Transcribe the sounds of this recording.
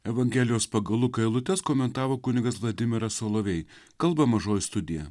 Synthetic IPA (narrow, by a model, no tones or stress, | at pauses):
ɛʋɐŋʲɡʲɛlʲɪjoːspɐɡɐlˠʊkɐɪlˠʊt̪ʲɛskoːmʲɛnt̪ɑːʋoːkʊnʲɪɡɐsʋlˠɐd̪ʲɪmʲɪɾɐsoːlˠoːʋʲɛɪkɐlˠbɐmɐʒoːjst̪ʊd̪ʲɪjɛ